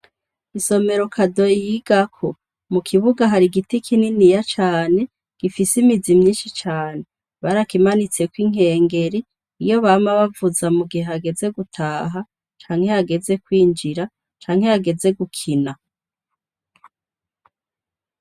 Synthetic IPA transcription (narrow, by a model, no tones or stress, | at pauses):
iso̞me̞ɾo̞kʰado̞jijiɡ̥akʰo | mukʰiβuɡaɦaɾiɡitikʰininijat͡ʃaːne̞ | ɡ̥ifisimizimɲiːnʃit͡ʃaːne̞ | βaɾakimanit͡sekwiŋ̥e̞ːŋɡe̞ɾiː | jo̞βaːmaβavuzamuɡiheaɡe̞ze̞ɡutʰaːɦa | t͡ʃaːŋ̥he̞aɡe̞ze̞kwiːnd͡ʒiɾa | t͡ʃaːŋhe̞aɡe̞ze̞ɡukʰina